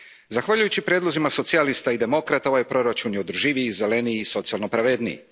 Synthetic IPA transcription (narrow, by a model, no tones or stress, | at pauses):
zaxʋaʎujut͡ɕipɾjed̪lˠozimaso̞t̪sialist̪aid̪e̞mo̞kɾat̪aoʋajpɾo̞ɾat͡ʃunjo̞d̪ɾ̩ʒiʋize̞le̞niːso̞t̪sialno̞pɾaʋe̞d̪nḭḭ